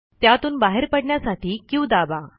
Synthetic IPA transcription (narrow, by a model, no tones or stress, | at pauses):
t̪jat̪uːnbaɦeɾpəɽɳjasaʈʰiːkĩũd̪aba